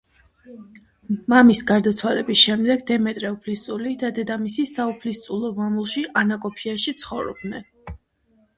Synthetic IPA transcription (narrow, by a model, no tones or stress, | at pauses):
mamisɡaɾd̪at̪sʰwalɛbisʃɛmd̪ɛɡd̪ɛmɛt̪ʼɾɛupʰlist̪sʼulid̪ad̪ɛd̪amisisaupʰlist̪sʼulˠɔmamulˠʃiʔanakʼɔpʰiaʃit̪sʰχɔvɾɔ̰bnɛn